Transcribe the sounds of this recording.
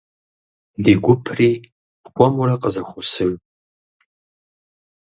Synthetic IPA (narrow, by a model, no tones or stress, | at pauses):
diɡʷʊpʰriː | χʷɔmurɐqʼəzɐxʷʊsɨr